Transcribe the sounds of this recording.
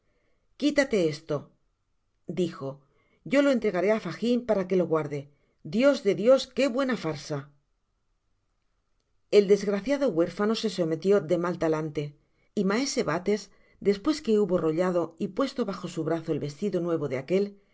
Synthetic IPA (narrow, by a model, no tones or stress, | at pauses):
kit̪at̪e̞est̪o̞ | d̪ixo̞ | ɟ͡ʝo̞lo̞ent̪ɾe̞ɣaɾe̞afaximpaɾake̞lo̞ɣwaɾðe̞ | d̪jo̞zðe̞ðjo̞ske̞βwe̞nafaɾsa | e̞ld̪e̞zɣɾaθjaðo̞ɣwe̞ɾfano̞se̞so̞me̞t̪jo̞ðe̞malt̪alant̪e̞ | imae̞se̞βat̪e̞z | d̪e̞spwe̞ske̞uβo̞ro̞ʎað̞o̞ipwe̞st̪o̞βaxo̞suβ̞ɾaθoe̞lβe̞st̪iðo̞nwe̞β̞o̞ðeake̞l